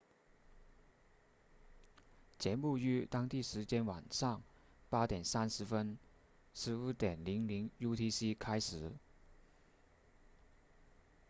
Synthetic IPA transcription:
t͡ɕjɛ˧˥nu˥˧y˥t̪ɑ˥ŋt̪i˥˩ʂɻ̩˧˥t͡ɕjɛ˥nwa˨˩nʂɑ˥˩ŋ | pa˥t̪jɛ˨˩nsa˥nʂɻ̩˧˥fə˥n | ʂɻ̩˧˥u˥˩t̪jɛ˨˩nli˧˥ŋli˧˥ŋju˥t̪ʰi˥si˥kʰa˥ɪʂɻ̩˨˩˦

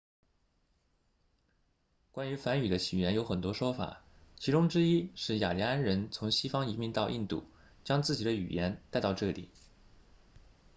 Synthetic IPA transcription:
kwa˥ny˧˥fa˧˥ny˨˩d̪ə˦ɕi˨˩jɛ˧˥njo˧˥xə˨˩nt̪wɔ˥ʂwɔ˥fa̰˨˩˦t͡ɕʰi˧˥ʈ͡ʂʊ˥ŋʈ͡ʂɻ̩˥i˥ʂɻ̩˥˩ja̰˨˩li˧˥a˥nɻə˧˥nt͡sʰʊ˧˥ŋɕi˥fɑ˥ŋi˧˥mi˧˥nt̪ɑ˥˧ʊʔi˥˧nt̪ṵ˥˩ | t͡ɕjɑ˥ŋt͡sɹ̩˥˩t͡ɕi˨˩d̪ə˦y̰˨˩jɛ˧˥nt̪a˥˧ɪt̪ɑ˥˧ʊʈ͡ʂɤ˥˩lḭ˨˩˦

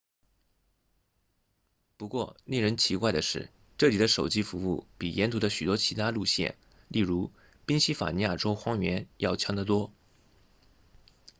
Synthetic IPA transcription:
pu˧˥kwɔ˥˧˩ne˥˩ɻə˧˥nt͡ɕʰi˧˥kwa˥˩ɪd̪ə˩ʂɻ̩˥˩ | ʈ͡ʂɤ˥˩li˨˩d̪ə˦ʂo˨˩ʊt͡ɕi˥fu˧˥u˥˩pi˨˩jʔɛ˧˥nt̪ʰu˧˥d̪ə˧ɕy˨˩wɔ˥t͡ɕʰi˧˥t̪ʰa˥lu˥˧ɕjɛ̰˥˩n | li˥˩ɻu˧˥ | pi˥ŋɕi˥fa̰˨˩ni˧˥ja˥˩ʈ͡ʂo˥ʊxwɑ˥ŋɥɛ˧˥njɑ˥˩ʊt͡ɕʰjɑ˧˥ŋd̪ə˨t̪wɔ˥

